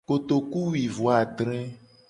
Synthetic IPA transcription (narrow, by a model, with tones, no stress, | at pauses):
ko˨t̪o˨ku˦wi˨vo˨a˨ɖ̪ɾɛ̃˦